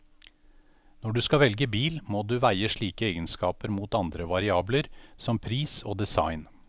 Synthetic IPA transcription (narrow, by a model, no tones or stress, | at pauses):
nɔɖʉːskɑʋɛlɡəbiːlmoːd̪ʉːʋæɪəʂɭiːkəeːɡənskɑːpəɾmuːt̪ɑnd̪ɾəʋɑɾɪɑːbləɾsɔmpʰɾiːso̰ːd̪ɛsɑ̰ɪn